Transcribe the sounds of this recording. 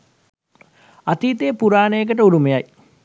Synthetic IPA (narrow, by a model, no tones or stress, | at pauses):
at̪iːt̪eːpuɾaːnəjek̬əʈəuɾumejaj